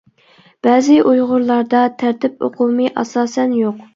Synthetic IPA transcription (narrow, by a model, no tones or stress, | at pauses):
b̥ɛːzɪʔujʁʊɾlˠɑɾd̪ɑt̪ʰæɾt̪ʰɪpo̰qʰumɨʔɑ̰sɑːsɛnjoq